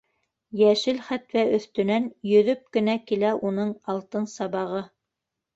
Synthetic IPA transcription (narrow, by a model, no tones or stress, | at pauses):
jæʃɘlχæt̪wæɵ̆θt̪ɵ̆nænjɵ̆ðɵp̚kɘ̆nækilæʔunɤɴɑlˠt̪ɤnsɑβɑʁɤ